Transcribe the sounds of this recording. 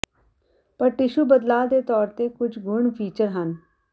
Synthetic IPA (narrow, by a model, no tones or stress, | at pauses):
pəɾʈɪʃuːbəd̪laːd̪eːt̪ɔːɾt̪eːkʊd͡ʒɡʊɳpʰiːt͡ʃəɾɦən